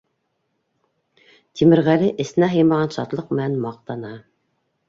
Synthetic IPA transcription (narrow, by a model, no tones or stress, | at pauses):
t̪ʰimɘ̆ɾʁælɘʔɘ̆sɘ̆næɦɤjmɑʁɑnʃɑ̰t̪lˠɤq̚m̆nænmɑq̚t̪ɑnɑ